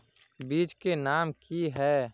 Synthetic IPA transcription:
biːt͡ʃkenaːmkiɦɛː

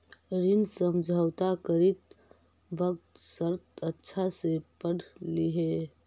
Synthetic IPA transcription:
ɾinsəmd͡ʒʱəwt̪akəɾit̪̚ | bəkt̪səɾt̪ətːʃʰasepəɽliɦe

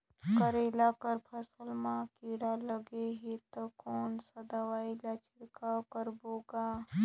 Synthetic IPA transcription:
kəɾelaːkəɾpʰəsəlmãkiːɽaləɡeɦit̪okoːnsəd̪aʋaːilaːt͡ʃʰɪɾkaːwkəɾboːɡaː

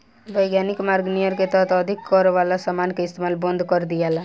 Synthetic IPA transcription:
bəjɡjanikmaɾɡnijəɾket̪ɔɦt̪ːd̪ʱikːɔɾʋalasamankeɪst̪emalbə̃nd̪ʱkɔɾd̪ijala

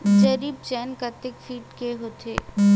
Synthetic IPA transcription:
d͡ʒɐɾiːb̚t͡ʃɛːnkət̪ekfiːʈkeɦot̪e

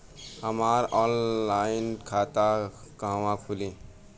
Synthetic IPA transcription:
həmaɾɔnlajinkʰat̪akəɦwãkʰulĩ

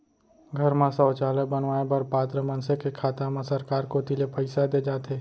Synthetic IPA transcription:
ɡʱɐɾmãsəːt͡ʃaːləkbɐnʋaːebɐɾpaːt̪ɾəmɐ̃nsekekʰaːt̪amãsɐɾkaːɾkot̪ilepʰəɪsad̪ed͡ʒaːt̪ʰeː

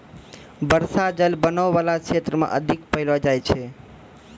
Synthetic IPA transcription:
bəɾsad͡ʒəlbənəʋːalakʃet̪ɾəmã̰ʔəd̪ʱikpəɦilad͡ʒajt͡ʃʰe

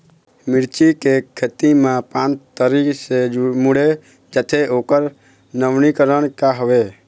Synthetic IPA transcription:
mɪɾt͡ʃikekʰːet̪imãpãːnt͡ʃt̪əɾiksed͡ʒmuɽe | d͡ʒət̪ʰeoːkəɾ | nəʋnikəɾəɽkaɦəʋe

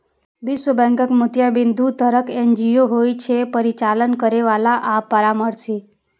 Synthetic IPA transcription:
bisəbɛ̃ŋkəkmut̪jabind̪ʱut̪əɾəkend͡ʒijoɦojt͡ʃʰepəɾit͡ʃalənkəɾeʋalaʔapːəɾaməɾsi

